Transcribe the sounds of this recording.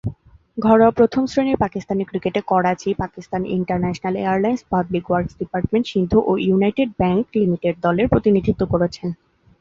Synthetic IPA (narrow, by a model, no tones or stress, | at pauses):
ɡʱɔɽapɾot̪ʰomsɾeneɾpakist̪aneɾkɾikeʈekɔɽat͡ɕipakist̪anḭɳʈaɾnɛʃonalḛaɾlajnspablikwaɾksɖipaɾʈmeɳʈʃind̪ʱoʔojunajʈeɖ̚bɛŋklimiʈeɖ̚d̪ɔleɾpɾot̪inid̪ʱit̪ːokoɾet͡ɕʰen